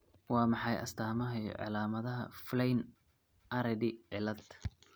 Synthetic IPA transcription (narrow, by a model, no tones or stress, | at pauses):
wɑːmɑħɑjʔɐ̰st̪ʰaːmɐɦɐ̰ʕɑ̰laːmɐðɐɦɐ̰flɛjn | ʔɐɾɛdɪʕɪlɐd̪